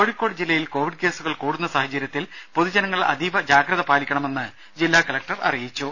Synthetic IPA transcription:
oːɻikʲːo̞ːɖd͡ʑilːɐjilko̞ːʋiɖ̚ke̞ːsuɣɐɭkuːɽunːɐsaːɦɐt͡ɕːɐɾjɐt̪ːilpoðud͡ʑɐnɐŋːɐɭɐ̰d̪ʱiʋɐd͡ʑaːɡɾɐðɐpaːlikʲːɐɳɐme̞nːɨ | d͡ʑilːaːkɐlɐk̚ʈɐrɐ̰rijit͡ɕːu

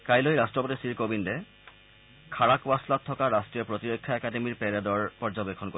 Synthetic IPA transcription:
kajlojɾasʈɹopot̪isiɾkobinde | kʰaɾakbaslat̪ʰːɔkaɾasʈijopɾot̪iɾokʰːjaɛkademiɾpɛɾed̪ɔɹpɔɾd͡ʑobekʰːonko

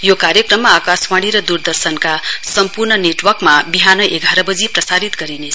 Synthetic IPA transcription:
jokaɾjʌkrʌmːaːkaswaɽ̃iɾʌd̪urd̪ʌrsʌnkasʌmpurnʌneʈwʌrkmabiɦanʌʔeɡʱaɾʌbʌd͡ziprʌsaɾit̪ɡʌɾinet͡sʰ

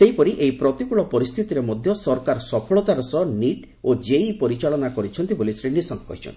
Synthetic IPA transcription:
seɦjpɔɾiʔejpɾɔt̪ikuɭɔpɔɾist̪ʰit̪iɾemɔd̪ʱjɔsɔɾkaɾsɔpʰɔɭɔt̪aɾɔsɔniʈ | od͡ʒeipɔɾit͡ʃaɭɔnakɔɾit͡ʃʰɔnt̪ibolisɾinisɔŋkːɔ̰ɦit͡ʃʰɔ̰nt̪i̥

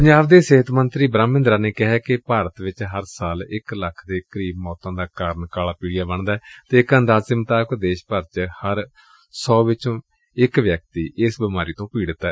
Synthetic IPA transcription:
pəɲd͡ʒaːbd̪eːsɪɦət̪mənt̪ɾiːbɾãːmːɪ̃nd̪ɾaːneːkɪɦɛːkɪpaːɾət̪ʋɪt͡ʃɦəɾsaːlɪkləkʰd̪eːkəɾiːbmɔːt̪ãːd̪aːkaːɾəɳkaːlaːpiːɽɪjaːbəɳd̪aːɛt̪eːɪkənd̪aːzsɪmt̪aːkd̪eːʃpəɾt͡ʃhəɾ | sɔːʋɪt͡ʃõː | ɪkʋjək̚t̪iːʔɪsbɪmaːɾiːt̪õːpiːɽt̪ːaɛ

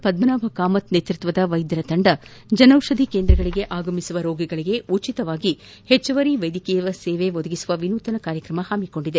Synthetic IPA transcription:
pɐd̪mɐnaːbʱɐkaːmɐt̪net̪ɾut̪ʋɐd̪ɐʋɐjd̪jɾɐt̪ɐɳɖɐd͡ʒɐnɐwʂɐd̪ʱikeːnd̪ɾɐɡɐɭiɡe̞ʔaːɡɐmisuʋɐɾoːɡiɡɐɭiɡe̞ut͡ʃit̪ɐʋaːɡi | het͡ʃːɐʋɐɾiʋɐjd̪ikɛjɐʋɐseːʋe̞ʋod̪ɐɡisuʋɐʋinuːt̪ɐnɐkaːɾjɐkɾɐmɐhaːmiko̞ɳɖid̪e

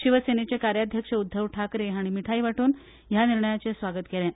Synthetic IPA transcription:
ɕiʋəsenet͡ɕekaɾjad̪ʱjəkʂəud̪ʱːəʋʈʰakɾeɦaɽ̃imiʈʰaiʋaʈuːn | janiɾɳəjat͡sesʋaɡət̪kelɛ̃

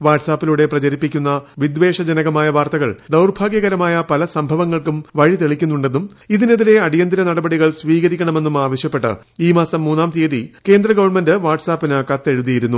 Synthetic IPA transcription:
ʋaːʈsaːpːiluɽe̞prɐt͡ɕɐɾipːikʲːunːɐʋid̪ʋe̞ːʂɐd͡ʑɐnɐɣɐmaːjɐʋaːrt̪ɐɣɐ̰ɭd̪ɐwrbʱaːɡjɐɣɐɾɐmaːjɐpɐlɐsɐmbʱɐʋɐŋːɐɭkumʋɐɻit̪eɭikʲːunːuɳɖe̞nːum | iðineðiɾe̞ɐɽijɐnd̪iɾɐnɐɽɐbɐɽiɣɐɭsʋiːɣɐɾikʲːɐɳɐme̞nːumaːʋɐɕjɐpːe̞ʈːɨ̰ | iːmaːsɐmːuːnːaːmt̪eːðike̞ːnd̪rɐɡɐʋɐrɳme̞ndɨʋaːʈsaːpːinakːɐt̪ːe̞ɻuðijiɾunːu

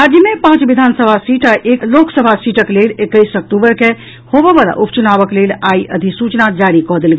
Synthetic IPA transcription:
ad͡ʒimepãt͡ʃbid̪ʱansəbʱasiʈaʔekloksəbʱasiʈəklelekəjsək̚ʈubəɾke | hobɛʋala̰ʔupt͡ʃunabəklelaiə̰d̪ʱisut͡ʃnad͡ʒaɾikɔɦd̪elɡe

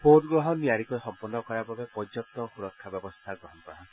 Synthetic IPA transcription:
podɡɾɔɦɔnːiaɾikɔesɔmpɔnːɔkɔɾababepɔd͡ʒɔt̪ɔxuɾɔkʰːabjɔbɔst̪ʰaɡɔɦɔnpaɽã

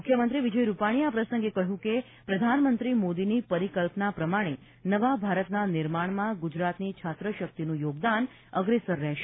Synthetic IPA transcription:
mukʰjəmənt̪ɾiʋid͡ʒəjɾupaɽ̃iapɾəsə̃ŋɡekəɦjũke | pɾəd̪ʱanmənt̪ɾimod̪inipəɾikəlpnapɾəmaɽ̃e | nəʋabʱaɾət̪nanɪɾmaɳmãɡud͡ʒɾat̪nit͡ʃʰat̪ɾəʃək̚t̪inũjoɡd̪an | əɡɾesəɾːɛɦʃe

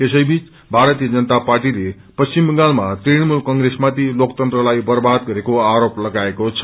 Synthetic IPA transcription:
esʌjbit͡s | bʱaɾʌt̪ijʌd͡zʌnət̪aparʈile | pʌst͡simɡalmat̪iɽmulkʌŋɡɾesmat̪ʰilokt̪ʌnt̪rʌlajbʌrbad̪̚ɡʌɾekoaɾoplʌɡaekot͡sʰʌ̥

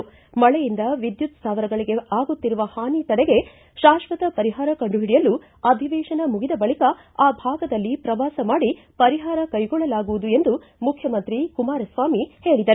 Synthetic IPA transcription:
mɐɭɛjind̪ɐʋid̪jut̪saːʋɐɾɐɡɐɭiɡe̞ʔaːɡut̪ːiɾuʋɐhaːnit̪ɐɽɛɡe̞ | ʃaːʃʋɐt̪ɐpɐɾiɦaːɾɐkɐɳɖuɦiɽijɐlːu | ɐd̪ʱiʋɛːʃɐnɐmuɡid̪ɐbɐɭikɐ | aːbʱaːɡɐd̪ɐlːipɾɐʋaːsɐmaːɽi | pɐɾiɦaːɾɐkɐjɡɔɭːɐlaːɡuʋud̪ue̞nd̪u | mukʰjɐmɐnt̪ɾikumaːɾɐsʋaːmihe̞ːɭid̪ɐɾ

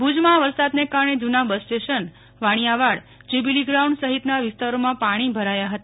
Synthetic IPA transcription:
bud͡ʒmãʋəɾsad̪nekaɾɳ̃ed͡ʒunabəsʈeʃən | ʋaɽ̃ijaʋaɽ | d͡ʒibiliɡɾaũɳɖsəɦit̪naʋɪst̪aɾomãpaɽ̃ibʱəɾajaɦət̪a

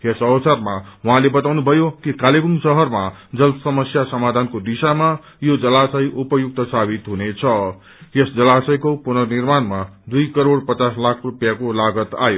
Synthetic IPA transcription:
esʌwsarmawʌɦãlebʌt̪awnubʱʌjokikaleɡuŋɡsʌɦʌrmad͡zʌlsʌmʌsjasʌmad̪ʱankod̪isama | jod͡zʌlasʌjʔupʌjuk̚t̪ʌsabit̪ɦunet͡sʰʌ | esd͡zʌlasʌjkopunʌnirmanmad̪ujkʌɾoɽpʌt͡saslakʰrupjakolaɡʌt̪a̰jo

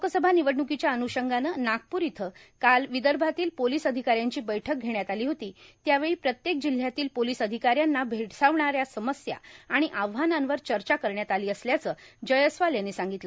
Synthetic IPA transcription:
mokəsəbʱaniʋəɽɳukit͡ɕjaənuɕəŋɡanənak̚puɾit̪ʰəkalʋid̪əɾbʱat̪iːlpoliːsəd̪ʱikaɾjaɲt͡ɕiːbəjʈʰək̚ɡʱeɽjat̪aliːɦot̪iːt̪jaʋeɭiːpɾət̪jek̚d͡ʑil̤ːjat̪iːlpoliːsəd̪ʱikaɾjanːabʱeʈʰsaʋɳaɾjasəməsja̰aɽ̃iʔaʋɦanãnʋəɾt͡ɕəɾt͡ɕakəɾɳjat̪aliːəsljat͡səːd͡ʑəjəsʋaljanːesãŋɡit̪lə

